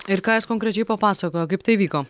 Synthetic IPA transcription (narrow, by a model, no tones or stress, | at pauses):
ɪɾkɑːjɐskɔŋkɾʲɛt͡ʃʲɛɪpɐpɑːsɐkoːjoːkɐɪp̚t̪ɐɪʋʲiːkoː